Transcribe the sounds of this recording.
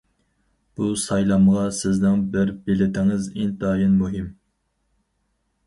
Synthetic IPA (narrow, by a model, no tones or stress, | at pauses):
b̥usɑjlˠɑmʁɑsɪznɪŋbɪɾbɪlɪt̪ʰɪŋɪzint̪ːjinmuɦɪm